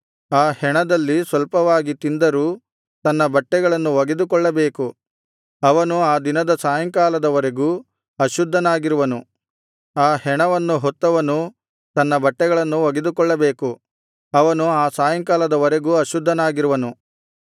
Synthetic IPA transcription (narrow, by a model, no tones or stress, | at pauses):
aːhɛɳɐd̪ɐlːisʋɐlpɐʋaːɡit̪ind̪ɐɾuː | t̪ɐnːɐbɐʈːɛɡɐɭɐnːuʋɐɡed̪ukɔɭːɐbe̞ːku | ɐʋɐnuaːd̪inɐd̪ɐsaːjɐŋkaːlɐd̪ɐʋɐɾeɡuː | ɐʃud̪ʱːɐnaːɡiɾuʋɐnu | aːhɛɳɐʋɐnːuɦɔt̪ːɐʋɐnu | t̪ɐnːɐbɐʈːɛɡɐɭɐnːuʋɐɡed̪ukɔɭːɐbe̞ːku | ɐʋɐnuaːsaːjɐŋkaːlɐd̪ɐʋɐɾeɡuːɐʃud̪ʱːɐnaːɡiɾuʋɐnu